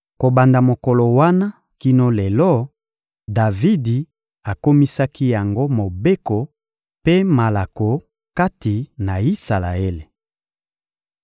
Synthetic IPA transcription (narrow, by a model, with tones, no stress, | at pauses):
ko˨ba˨nda˨mo˨ko˨lo˨wa˦na˦ | ki˦no˦le˨lɔ˦ | da˨vi˦di˨ | a˨ko˦mi˦sa˦kʰi˦ja˨ŋɡo˦mo˨be˦ko˨ | pe˦ma˨la˨ko˨ | ka˦ti˨na˨i˦sa˨la̰˨e˦le˨